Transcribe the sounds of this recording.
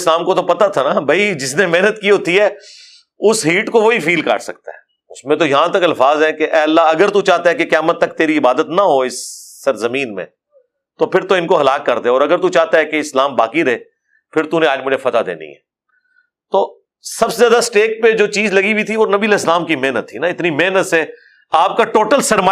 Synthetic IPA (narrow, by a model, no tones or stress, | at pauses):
slaːmkot̪opɐt̪at̪ʰanabʱɐid͡ʒɪsnemeɦnət̪kiɦoːt̪iɦɛː | ʊsɦiːʈkoʋoɦifiːlka̰ːʈsɐ̰k̚t̪a̰ɦɛː | ʊsmẽt̪ojɐɦãt̪ɐkɐlfaːzɦɛ̃keʔɛːlːaɐɡəɾt̪ut͡ʃaːt̪aɦɛkekjaːmət̪ːɐk̚t̪eːɾiɪbaːd̪ət̪nɐɦoɪsː | ɐɾzɐmĩːnmḛ̃ː | t̪opʰɪɾt̪oɪnkoɦɐlaːkːɐɾd̪eɔːɾɐɡəɾt̪ut͡ʃaːɦt̪aɦɛkeɪslaːmba̰ːkiɾɐɦeː | pʰɪɾt̪unẽaːd͡ʒmʊd͡ʒʱefɐt̪ad̪ḛːnḭɦɛ̰ː | t̪oː | sɐbsejaːd̪asʈeːk̚ped͡ʒoːt͡ʃiːzlɐɡibʱit̪ʰiʋonɐbiːəlɛːslaːmkimɛɦnət̪ʰːinaɪt̪nimeɦnət̪sɛː | aːp̚kaʈoːʈəlsɐɾmaː